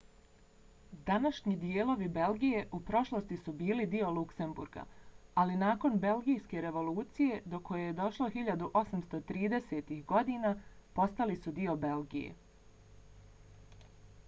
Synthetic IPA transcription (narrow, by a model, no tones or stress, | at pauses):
d̪anaʃɲid̪ijeːlˠo̞ʋibe̞lɡijeʔupɾo̞ʃlˠost̪isubiːlid̪io̞lˠukse̞mbṵɾɡa̰alinaːko̞nbe̞lɡijske̞ɾe̞ʋo̞lˠuːt̪sije̞d̪o̞ko̞jejed̪o̞ʃlˠo̞xiʎad̪uʔo̞samst̪o̞t̪ɾiːd̪e̞set̪ihɡo̞d̪iːnapo̞st̪alisud̪io̞be̞lɡijḛ